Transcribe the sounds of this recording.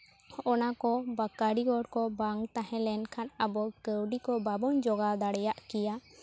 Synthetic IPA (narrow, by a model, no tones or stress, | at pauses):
ɔnakɔbakaɽiɡɔɽkɔbaŋt̪aɦɛ̃lɛnkʰanəbɔkəwɖikɔbabɔnd͡ʒɔɡad̪aɽɛjaʔkɛja